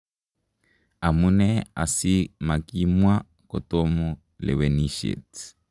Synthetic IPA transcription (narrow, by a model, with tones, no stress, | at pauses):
a˨mu˦nɛ˦a̰˨si˦ma˨ki˦mwa˦ | kɔ˨tɔ˦mu˦ | lɛ̰˨wɛ˨niʃḛ˨t